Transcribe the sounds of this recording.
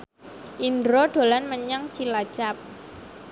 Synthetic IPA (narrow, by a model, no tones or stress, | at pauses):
ʔindɾoɖ̥o̤lanməɲaŋt͡ʃilat͡ʃap̚